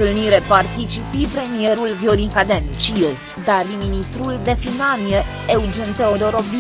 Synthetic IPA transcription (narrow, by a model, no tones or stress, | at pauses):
t̪ɨlniɾepart̪it͡ʃipipɾe̞mijeɾulvjoɾiŋkad̪ent͡ʃije | d̪ariminist̪ɾuld̪e̞finanie | eud͡ʒent̪eod̪oɾobi